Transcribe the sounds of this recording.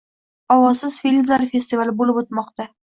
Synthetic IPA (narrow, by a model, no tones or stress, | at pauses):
ɒwɒsɪz̥fʲilʲmlaɾfʲesʲt̪ivalɪbolɪpot̪̚mɒqt̪a